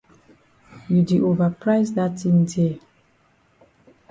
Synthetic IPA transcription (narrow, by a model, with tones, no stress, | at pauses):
ju˨di˨ʔo˨va˨pʰɹaɪzda˦tĩ˦nde